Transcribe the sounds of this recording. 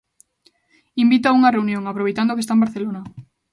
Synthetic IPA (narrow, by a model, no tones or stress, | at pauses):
imbit̪̬auŋareunjõŋapɾoβ̞ejt̪and̪okest̪aembaɾθelona